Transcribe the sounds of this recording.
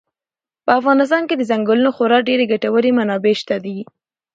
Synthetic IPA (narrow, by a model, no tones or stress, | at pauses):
pəafɣɑnɪs̬t̪ɑnked̪əzaŋɡəlunoxoɾɑɖeɾeɡaʈawəɾemanɑbeʃt̪ad̪i